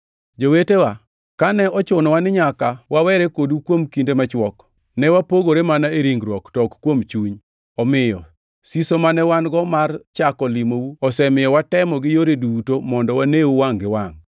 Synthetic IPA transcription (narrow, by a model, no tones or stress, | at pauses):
d͡ʒowetewa | kanɛɔt͡ʃʊnɔwanɪɲakawawɛɾekodwukwomkindemat͡ʃwɔk | nɛwapoɡoɾemanaeɾiŋɡɾwɔktɔkkwomt͡ʃuɲ | ɔmɪjɔ̰ | sisomanɛwanɡɔmart͡ʃakɔlimowuɔsɛmɪjɔwatɛmɔɡɪjoɾedutomɔndɔwanewuwaŋɡɪwaŋ